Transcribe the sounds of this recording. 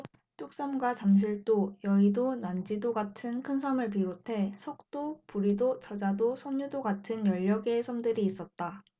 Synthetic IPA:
t͈ok̚s͈ʌmɡwat͡ɕamɕ̬ʰiɭt͈ojʌidonand͡ʑidoɡatʰɯnkʰɯnsʰamɯɭp̬iɾotʰe̞sʰʌk̚t͈opuɾidot͡ɕʌd͡ʑadosʰʌɲːudoɡatʰɯnjʌʎːʌɡe̞sʰʌmdɯɾiːs͈ʌt̚t͈a

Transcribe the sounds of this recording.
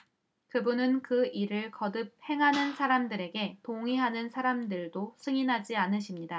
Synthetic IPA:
kɯbunɯnkɯiɾɯɭkʌdɯp̚he̞ŋɦanɯnsʰaɾamdɯɾe̞ɡe̞toŋiɦanɯnsʰaɾamdɯɭdosʰɯŋinɦad͡ʑianɯɕʰimɲida

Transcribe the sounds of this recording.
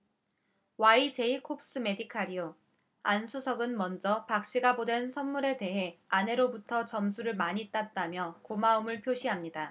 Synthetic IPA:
wait͡ɕe̞ikʰop̚s͈ɯme̞dikʰaɾio | ansʰusʰʌɡɯnmʌnd͡ʑʌpak̚ɕ͈iɡabodwe̞nsʰʌnmuɾe̞te̞ɦe̞ane̞ɾobutʰʌt͡ɕʌmsʰuɾɯɭmaɲit͈at̚t͈amjʌkomaɯmɯɭpʰjoɕʰiɦamɲida

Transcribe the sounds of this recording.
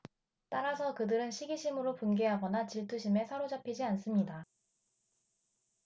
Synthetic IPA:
t͈aɾasʰʌkɯdɯɾɯnɕʰiɡiɕʰimɯɾopunɡe̞ɦaɡʌnat͡ɕiɭtʰuɕʰime̞sʰʌɾod͡ʑapʰid͡ʑians͈ɯmɲida

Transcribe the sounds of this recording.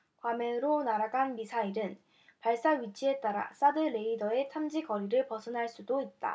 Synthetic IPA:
kwameɯɾonaɾaɡanmisʰaiɾɯn | paɭs͈aɥit͡ɕʰie̞t͈aɾa̰s͈adɯɾe̞idʌe̞tʰamd͡ʑikʌɾiɾɯɭpʌsʰɯnɦaɭs͈udoit̚t͈a̰

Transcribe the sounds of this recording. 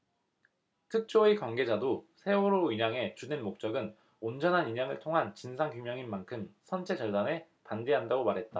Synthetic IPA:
tʰɯk̚t͡ɕ͈oikwanɡe̞d͡ʑadosʰe̞oɾoiɲaŋe̞t͡ɕudenmok̚t͡ɕ͈ʌɡɯn | ond͡ʑʌnɦaniɲaŋɯɭtʰoŋɦant͡ɕinsʰaŋkumjʌŋinmankʰɯmsʰʌnt͡ɕʰe̞d͡ʑʌɭdane̞ | pande̞ɦandaɡomaɾɦe̞t̚t͈a

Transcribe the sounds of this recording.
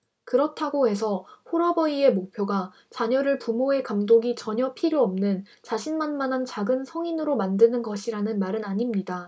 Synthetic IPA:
kɯɾʌtʰaɡoɦe̞sʰʌɸoɾʌbʌie̞mok̚pʰjoɡa | t͡ɕaɲʌɾɯɭpumoɦe̞kamdoɡit͡ɕʌɲʌpʰiɾjoʌmnɯn | t͡ɕaɕʰinmanmanɦant͡ɕaɡɯnsʰʌŋinɯɾomandɯnɯnɡʌɕʰiɾanɯnmaɾɯnaɲimɲida

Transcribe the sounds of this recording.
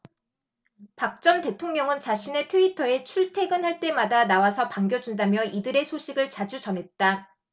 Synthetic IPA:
pak̚t͡ɕ͈ʌnte̞tʰoŋɲʌŋɯnt͡ɕaɕʰine̞tʰuitʰʌe̞t͡ɕʰuɭtʰe̞ɡɯnɦaɭt͈e̞madanawasʰʌpaŋɡjʌd͡ʑundamjʌidɯɾe̞sʰoɕʰiɡɯɭt͡ɕad͡ʑud͡ʑʌnɦe̞t̚t͈a

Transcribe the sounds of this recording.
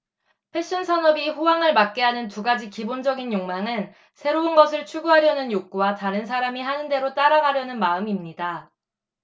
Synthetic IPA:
pʰe̞ɕ͈ʌnsʰʌnʌbiɸowaŋɯɭmak̚k͈eɦanɯntuɡad͡ʑikibond͡ʑʌɡinjoŋmaŋɯn | sʰe̞ɾounɡʌsʰɯɭt͡ɕʰuɡuɦaɾjʌnɯnjok̚k͈uwataɾɯns̬ʰaɾamiɦanɯnde̞ɾot͈aɾaɡaɾjʌnɯnmaɯmimɲida

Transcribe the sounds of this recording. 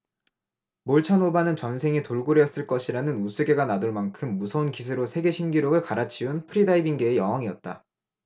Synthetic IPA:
moɭt͡ɕʰanobanɯnt͡ɕʌnsʰe̞ŋitoɭɡoɾjʌs͈ɯɭk͈ʌɕʰiɾanɯnusʰeɡe̞ɡanadoɭmankʰɯmːusʰʌunkis̬ʰɯɾosʰe̞ɡe̞ɕʰinɡiɾjoɡɯɭkaɾat͡ɕʰiunpʰɯɾidaibiŋɡe̞ːjʌŋɦaŋiʌt̚t͈a̰

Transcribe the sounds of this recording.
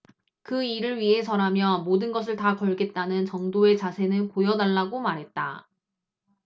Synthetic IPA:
kɯiɾɯɭɥiɦe̞sʰʌɾamjʌmodɯnɡʌs̬ʰɯɭtakʌɭɡe̞t̚t͈anɯnt͡ɕʌŋdoe̞t͡ɕasʰe̞nɯnpojʌnaɭːaɡomaɾɦe̞t̚t͈a̰

